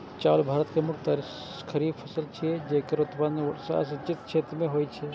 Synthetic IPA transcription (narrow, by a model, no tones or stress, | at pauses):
t͡ʃaːlbʱaːɾət̪kemʊkt̪aɾ | kʰəɾiːbpʰəsəlt͡ʃʰiɛd͡ʒekəɾʊt̪mansa̰sɪt͡ʃɪt̪t͡ʃʰeːt̪ɾmẽɦoːjt͡ʃʰɛ